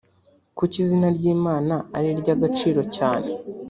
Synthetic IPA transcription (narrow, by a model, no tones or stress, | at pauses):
kucizinaɾɟiːmaːnaaɾiɾɟaɡat͡ʃiːɾocaːne̞